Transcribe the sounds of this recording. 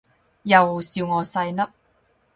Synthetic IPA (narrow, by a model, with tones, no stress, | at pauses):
jɐ˨wsiː˧wŋɔː˨˧sɐ˧jnɐ˥p̚